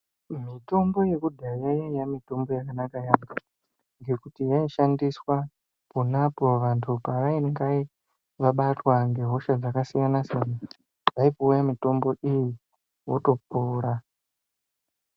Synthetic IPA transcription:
mito̞mbo̞je̞kudʱajejajamito̞mbo̞jakanakajaŋɡa | ŋɡe̞kutijaiʃandiswa | ponapo̞ʋantʰupaʋaiŋɡai | ʋaɓatwaŋɡe̞ɦo̞ʃad͡zakasijanasana | ʋaipoujamito̞mbo̞ʔiji | woto̞puːɾa

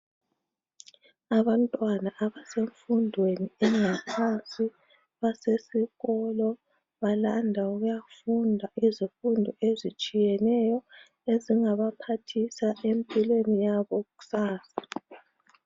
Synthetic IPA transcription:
aβantʼwanaʔaβaseɱfundʱweniɛŋapʰasi | βasesiɣɔlɔ | βalandʱauɣujafundʱaʔizifundʱɔezit͡ʃʼijɛnɛjɔ | eziŋaβapʰatʰisaʔempʼilwenijaβɔɣu̥saːsḁ

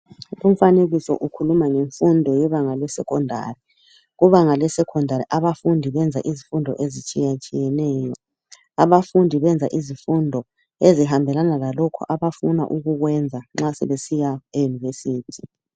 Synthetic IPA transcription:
um̩faneɣisɔ̰ʔukʰulumaŋeɱfundʱɔjɛβaŋalɛsɛ̰kʰɔndʱa̰ri | ɣuβaŋalɛsɛkʰɔndʱaɾiʔaβafundʱiβɛnd͡zʱa̰ʔizifundʱɔ̰ʔezit͡ʃʼijat͡ʃʼijɛnɛːjɔ | aβafundʱiβɛnd͡zʱaʔizifundʱɔ | eziɦambʱɛlanalalɔkʰɔ̰ʔaβafuna̰ʔuɣuɣwɛnd͡zʱaŋ͡ǁasɛ̰βesijaejunivesiːtʰi

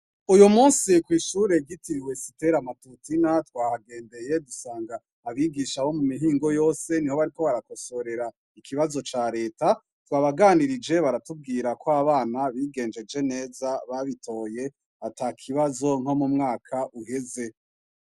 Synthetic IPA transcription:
ujumuːnsikwiːʃuːɾe̞ɡitiɾiwe̞site̞ɾamatutinatwaːhaɡe̞ːnde̞je̞dusaːŋɡaː | βiɡiʃaho̞mumiɦiːŋɡo̞jo̞ːse̞niho̞βaɾiko̞βaɾako̞so̞ɾe̞ɾa | ikiβazo̞t͡ʃaːɾe̞ːta | twaːβaɡaːniɾid͡ʒe̞βaɾatub̚ɡiːɾakoaβaːnaβiːɡe̞ːnd͡ʒe̞d͡ʒe̞ne̞ːzaβaβitʰo̞ːje̞ | ataːkʰiβazo̞ŋ̥ho̞mumŋaːkʰaʔuhe̞ze̞

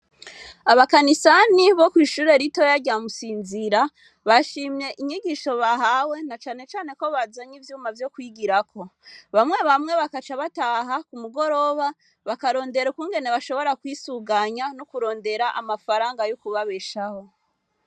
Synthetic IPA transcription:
aβakanisaniβo̞kwiːʃuːɾe̞ɾito̞jaɟamusiːnziɾa | βaʃiːmɲe̞ʔiɲiɡiʃo̞βaɦawe̞nat͡ʃaːne̞t͡ʃaːne̞ko̞βazaɲivjuːmavjo̞kwiɡiɾakʰo̞βamŋe̞βamŋe̞βakat͡ʃaβataːɦakumuɡo̞ɾo̞βa | βakaɾo̞ːnde̞ɾukuŋɡe̞ne̞βaʃo̞βo̞ɾakwisuɡaɲanukuɾo̞ːnde̞ɾaʔamafaɾaːŋɡajukuβaβeʃaho̞

